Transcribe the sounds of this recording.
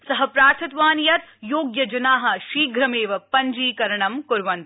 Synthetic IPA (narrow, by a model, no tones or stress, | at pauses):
sɐɦɐpɾaːt̪ʰɐt̪ʋaːnjɐt̪joːɡjɐd͡ʒɐnaːɦɐ̆ʃiːɡʱɾɐmeːʋɐpɐɲd͡ʒiːkɐɾɐɳɐmkʊɾʋɐnt̪